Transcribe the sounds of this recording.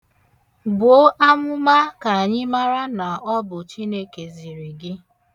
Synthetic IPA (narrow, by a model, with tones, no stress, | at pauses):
bo˨˦ʔa˦mʊ˦ma˦ka˨a˨ɲɪ˦ma˦ɾa˦na˨ɔ˦bʊ˨t͡ʃi˦ne˦ke˨zi˨ɾi˨ɡɪ˦